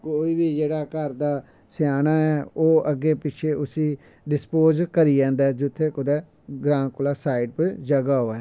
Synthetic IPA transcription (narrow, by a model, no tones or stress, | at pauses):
koːiːbiːd͡ʒeːɽaːkəɾd̪aː | sɪjaːnaːɛːoːʔəɡːeːpɪt͡ʃʰeːʔʊsĩː | ɖɪspoːzkəɾiːd͡ʒãːnd̪aːd͡ʒʊt̪ʰːeːkʊd̪ɛː | ɡɾãːkʊlaːsaːiɖpʊd͡ʒəɡaːɦoːɛː